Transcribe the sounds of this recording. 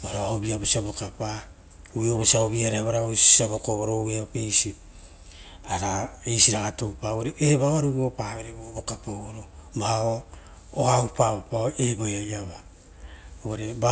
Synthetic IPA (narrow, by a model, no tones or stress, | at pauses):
oɾoaobiabosiabokapa | ueoβosiaoβiaɾehaβaɾaosaβokoβoɾoeaopejsi | aɾaejsiɾaɡatopaoɾeʔeβaβaɾuɡopaβeɾeβobokapooɾobaao | oaupaβapaoebojajaβa | oɾeba